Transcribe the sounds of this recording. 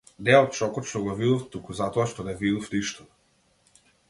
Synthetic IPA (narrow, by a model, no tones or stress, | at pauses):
nɛɔt̪̚t͡ʃɔkɔt̪ʃt̪ɔɡɔvid̪ɔft̪ukuzat̪ɔaʃt̪ɔnɛvid̪ɔfniʃt̪ɔ̥